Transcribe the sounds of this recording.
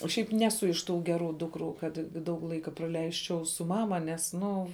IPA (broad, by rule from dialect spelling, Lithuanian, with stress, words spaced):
oː ˈʃʲɛɪp ˈnʲæːsʊ ɪʃ ˈtuː ˈɡʲæːˌruː ˈdʊkˌruː ˈkɐt ˈdɐʊk ˈlˠɐɪkɐ prɐˈlʲɛɪsʲt͡ʃʲɛʊ sʊ ˈmɑːmɐ nʲɛs ˈnʊ